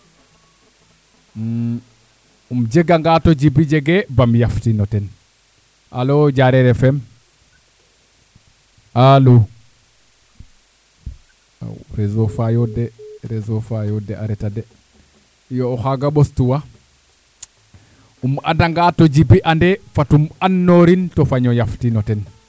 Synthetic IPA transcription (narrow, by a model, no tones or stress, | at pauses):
umd͡ʒeɡaŋɡatoɟibid͡ʒeɡebamjaftinoten | a̰loɟaɾeɾefem | alo | a̰ɾezofajodeɾezofajodea̰ɾetade | joːxaɡaɓostuwa | uma̰daŋɡatod͡ʒibiʔandefatumanːoɾintofaɲɔjaftinɔten